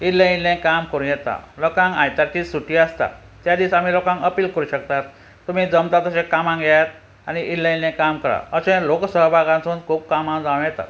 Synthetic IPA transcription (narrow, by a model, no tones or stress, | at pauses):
ilːəilɛ̃kamkəɾũjɛt̪a̰lokãŋkã̰jt̪aɾt͡ɕiːsuʈiːəst̪a̰ | t̪jad̪iːsam̤iːlokãŋkəpiːlkəɾuːɕək̚t̪at̪ | t̪um̤iːd͡zəmt̪at̪əɕẽkamãŋɡjat̪ | aniʔilːə̃ĩlɛ̃kamkəɾa̰əsẽloksəɦbʱaɡãnsond͡zkʰuːb̚kamãd͡zawũjɛt̪a̰t̪